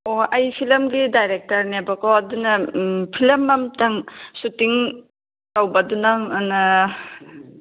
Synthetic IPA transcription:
oʔɐjpʰilɐmɡidajɾek̚tɐɾnebɐkoɐdunɐpʰilɐmːɐmtaŋsutiŋ | tawbɐdunaŋana

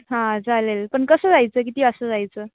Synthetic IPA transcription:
ɦãd͡zalelpəɳkəsəd͡zajt͡sək̬it̪iːasəd͡zajt͡sə

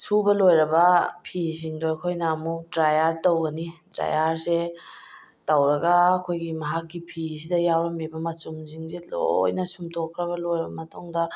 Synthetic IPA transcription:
subɐlojɾɐbɐpʰiziŋdojkʰojnɐːmuk̚dɾajaɾtowɡɐnidɾa̰jaɾse | tɐwɾɐɡɐːkʰojɡimɐɦakːipʰis̬idɐjawɾɐmebɐmɐt͡ʃuŋziŋzilo̰jnɐsumtʰokʰːɾɐβɐlojɾɐbɐmɐtuŋdɐ

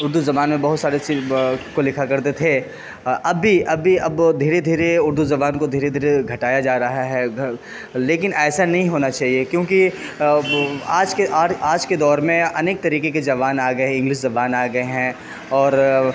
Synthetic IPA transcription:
ʊɾd̪uzɐbaːnmẽbɐɦʊt̪saːɾet͡ʃikolɪkʰakɐɾt̪et̪ʰe | ɐbʱːiʔɐbʱːiɐbd̪ʱiːɾed̪ʱiːɾeʊɾd̪uzɐbaːnkod̪ʱiːɾed̪ʱiːɾeɡʱɐʈaːjad͡ʒaːɾɐɦaɦɛ | leːkɪnɛːsanɐɦĩɦoːnat͡ʃaːɦiekjõːki | aːd͡ʒkeʔaːaːd͡ʒked̪ɔːɾmẽɐneːk̚t̪ɐɾiːkek̬ed͡ʒɐʋaːnaːɡɐeɪ̃ŋɡlɪʃ̬zɐbaːnaːɡɐeɦɛ̃ | ɔːɾ

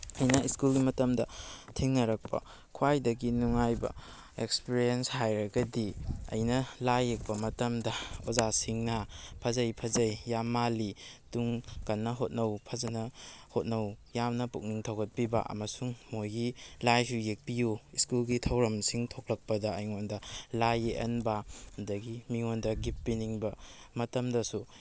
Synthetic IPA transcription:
ɐjnɐiskulɡimɐtɐmdɐtʰiŋnɐɾɐk̚pɐ̰ | kʰuwajdɐɡinuŋajbɐ̰ | ekspiɾienshajɾɐɡɐdiɐ̰jnɐlajːek̚pɐmɐtɐmdɐozasiŋnɐpʰɐzɐjpʰɐzɐjːamːalituŋkɐnːɐɦot̚nɐwpʰɐzɐnɐhot̚nɐwjamnɐpuk̚niŋtʰɐwɡɐt̚piba̰ʔɐ̰mɐsuŋmojɡilajsujek̚pijuiskulɡitʰɐwɾɐmsiŋtʰok̚lɐk̚pɐdɐɐjŋondɐlajeʔɐ̰nbadɐɡimiŋondɐɡipːiniŋbɐ | mɐtɐmdɐsu

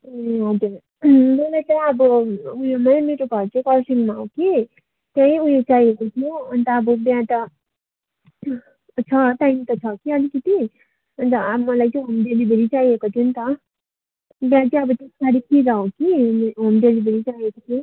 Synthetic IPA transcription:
ɦoke | bʌlet̪ʌʌbʌujõmameʈoɡʱʌɾt͡sʌ̃kʌɾsiŋmaɦow̃ki | t̪jãj̃ujõt͡saiekot̪ʰjuʌnt̪ʌːbʌbjãt̪ʌ | t͡sʰʌt̪aimt̪ʌt͡sʰʌkiʌlikʌt̪i | ʌnt̪ʌmʌlajt͡sʌ̃ɦomd̪elibeɾit͡saiekot̪ʰunt̪ʌ | bjãt͡sĩʌbʌt̪essaɽip̪ʰiɡaõkiɦomd̪elibeɾit͡saiekot̪ʰũ

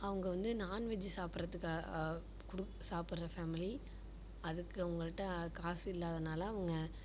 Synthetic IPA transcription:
ɐʋɐŋɡɐʋɐnd̪ɯnaːnʋɛd͡ʒːɯsaːpɪɾɐt̪ːɯkːa | kʊɽɯk | saːpɯɾɾɐfeːmɪli | ɐðɯkːɯɐʋɐŋɡɐɭɪʈːɐ̃kaːsɪlːaːðɐnaːlɐːʋɐŋɡɐ

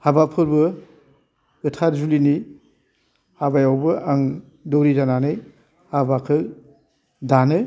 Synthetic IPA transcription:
habapʰɯɾbɯ | ɯtʰaɾzulini | habajawbɯʔaŋ | dɔwɾizananɯj | habakʰɯ | danɯ

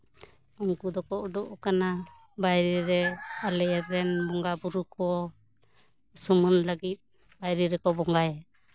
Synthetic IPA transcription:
ɔŋkud̪ɔkɔʔɔɖɔʔkana | bajɾiɾɛalɛʔɛt̪ɾɛnbɔŋɡabuɾukɔ | sɔmɔnlaɡit̪̚ | bajɾiɾɛkɔbɔŋɡaj

